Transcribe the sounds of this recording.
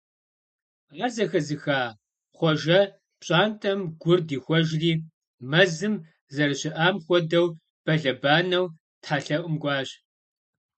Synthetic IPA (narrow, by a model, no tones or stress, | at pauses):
aːrzɐxɐzɨxaː | χʷɔʒɐ | pɕʼaːntʰɐmɡʷʊrdiːxʷɔʒriː | mɐzɨm | zɐrɨɕɪʔaːmxʷɔdɐw | b̥ɐɮɐbaːnɐw | tħaːɬɐʔʷʼʊmɡʷɑːɕ